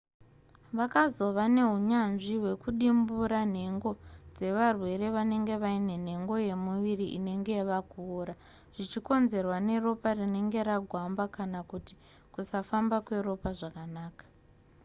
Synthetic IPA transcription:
ʋakazo̞ʋane̞ɦuɲanʐiwe̞kuɗimbuɾan̤e̞ŋɡo̞d͡ze̞ʋarwe̞ɾe̞ʋane̞ŋɡe̞ʋaine̞n̤e̞ŋɡo̞je̞muʋiriʔine̞ŋɡe̞ʋakuːɾa | ʐ̥it͡ʃiko̞nze̞rwane̞ro̞parine̞ŋɡe̞ɾaɡʱwambakanakuti̥ | kusafambakwe̞ɾo̞paʐakanaːkḁ

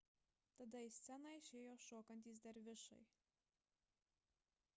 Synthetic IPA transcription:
t̪ɐd̪ɐisʲt̪sʲɛnɐɪʃʲeːjoːʃoːkɐnʲt̪ʲiːs̬d̪ɐɾʋʲɪʃɐ̰ɪ

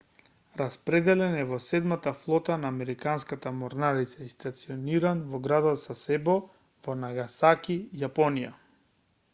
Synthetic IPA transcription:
ɾaspɾɛd̪ɛlɛnɛvɔsɛd̪mat̪aflˠɔt̪anaːmɛɾikanskat̪amɔɾnaɾit̪saist̪at̪siɔniɾanvɔɡɾad̪ɔt̪sasɛbɔ | vɔnaɡasakijapɔnija̰

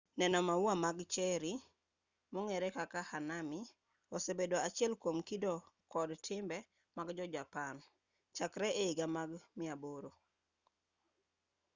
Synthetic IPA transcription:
nɛnɔmawamaɡt͡ʃɛɾi | moŋɛɾɛkakahanamɪ | ɔsebedoat͡ʃɪɛlkwomkidɔkɔdtʰɪmbɛ | maɡd͡ʒɔd͡ʒapan | t͡ʃakɾɛeiɡamaɡmɪaboɾo

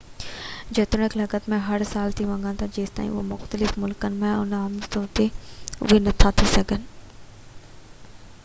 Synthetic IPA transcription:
d͡ʑeːt̪ɾɽ̃əklɐɡət̪mẽɦɐɾsaːlt̪ʰiʋɐ̃ŋɡãnt̪ʰad͡ʑeːst̪a̰ːḭ̃ʊɦmʊxt̪əlɪfmʊlkənɪ̆mẽʊ̰namt̪oːt̪eʊ̰ʋenɐt̪ʰat̪ʰisɐɡʱənɪ̆

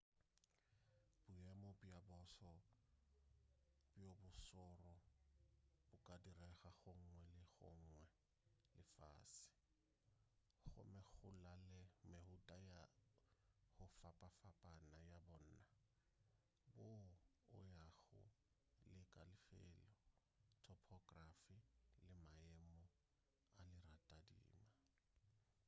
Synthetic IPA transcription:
b̥ʊjɛmɔbiabɔsɔ | bjobʊsɔrɔ | bʊkʼadirɛɣaɣʊŋ̩ŋwɛlɪχʊ̰ŋ̩ːŋwɛ | lɪfa̰ːsɪ̥ | χʊ̰mɪk͡xʊlalɪmehʊtʼaja | hʊfapʼafapʼanajabɔn̩ːna | bʊ̰ː | jaɣʊ̰ | lɪkʼalɪfɛ̰ːlɔ | tʰɔpʰɔkʼrafilɪmaɛmɔ | alɪratʼadḭːma

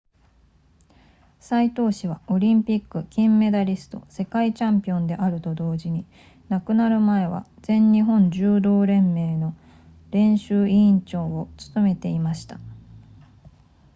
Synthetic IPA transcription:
sait̪o̞ːɕiβ̞ao̞ɾʲĩmpʲikːɯ̟kʲĩmːe̞d̪aɾʲisɨ̥t̪o̞̰se̞kait͡ɕãmpʲiõ̞nd̪e̞ʔaɾɯ̟t̪o̞d̪o̞ːʑiɲ̟i | nakɯ̟naɾɯ̟mae̞βa̰z̥ẽ̞ɲɲiɦõ̞ɲ̟d͡ʑɨːd̪o̞ːɾẽ̞mːe̞ːno̞ | ɾẽ̞ɰ̃ɕɨːʔĩɲt͡ɕo̞ːot͡sɨ̥t̪o̞me̞t̪e̞imaɕi̥t̪a

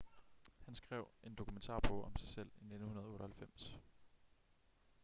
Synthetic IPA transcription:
hænsɡ̥ʁɛʊ̰ʔe̝nd̥o̝kʰument͡sʰɑ̰̈ːb̥ʁɔɒ̽msɑ̈ɪsel̰ine̝d̥n̩hunɐðˠoːɾɐhælfem̰s

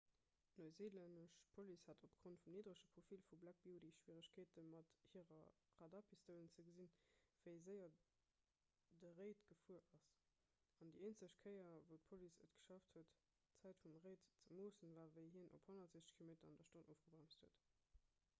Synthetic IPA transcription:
noɪzeːlænəʃpʰolishatopɡ̥ʁontfumniːdʁəʃəpʁ̥ofilfublæk̚b̥iodiʃw̥iːʁəɕkʰeːtəmɑthiːʁɐ | ʁɑdaːpʰistəʊlənt͡səɡəzinv̥əɪzəɪɐ | dəʁeɪtɡ̥əfuəʔɑs | ɑndieːnt͡səɕkʰəɪɐvəʊt̚pʰolisə̰tɡ̥ə̥ʃɑftʰhuət | t͡sæɪtfumʁeɪtt͡səmoːsənvaːvəɪɦiənʔo̰phonɐtz̥eːʃə̥kʰilometɐɑndɐʃtonʔoːfɡ̥əbʁæmsthuət

